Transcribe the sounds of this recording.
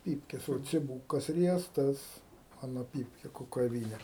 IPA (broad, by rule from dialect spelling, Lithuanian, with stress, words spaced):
ˈpʲiːpʲkʲɛs oː t͡sʲɪˈbuːkɐs ˈrʲiɛstɐs ˈmɑːnoː ˈpʲiːpʲkʲɛ kʊkɐˈʋʲiːnʲɛ